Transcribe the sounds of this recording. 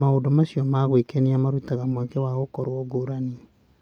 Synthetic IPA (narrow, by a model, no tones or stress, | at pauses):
aodomasjɔmaɣwekeniamaɾutaɣamwakewaɣokoɾwɔɡoɾani